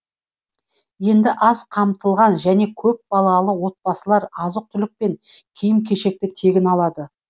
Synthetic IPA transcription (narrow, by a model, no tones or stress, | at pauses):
je̞nd̪ɪʔɑz̥qʰɑmt̪əlˠʁɑnʒæne̞kʲʰɵp̚bɑlˠɑlˠəwo̞t̪̚pɑsəlˠɑɾɑzəq̚t̪ʰʏlɪk̚pe̞ŋkʲʰijɪmkʲʰe̞ʃe̞k̚t̪ɪt̪ʰe̞ɡʲɪnɑlˠɑd̪ə